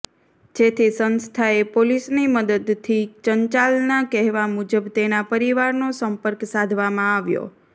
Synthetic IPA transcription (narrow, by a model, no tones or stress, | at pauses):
d͡ʒet̪ʰisənst̪ʰaepolisniməd̪əd̪t̪ʰit͡ʃəɲt͡ʃalnakɛɦʋamud͡ʒəbt̪enapəɾiʋaɾnosəmpəɾksad̪ʱʋamãaʋjo̰